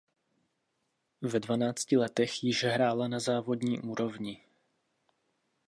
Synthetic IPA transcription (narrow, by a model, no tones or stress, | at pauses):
vɛdvanaːt͡scɪlɛt̪ɛxjɪʒɛɦɾaːlanazaːvo̞d̪ɲiːʔuːɾovɲɪ